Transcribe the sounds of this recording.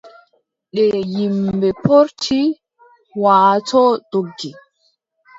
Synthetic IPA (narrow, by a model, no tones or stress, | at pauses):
ɗɛjimbɛpoɾtʰi | waːtʰɔd̥oɡːi